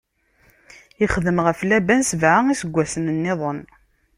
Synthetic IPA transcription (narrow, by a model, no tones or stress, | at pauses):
ɪχðəmʁəflæbænsəvʕaŋisəɡʷːæsənənːɪðˤən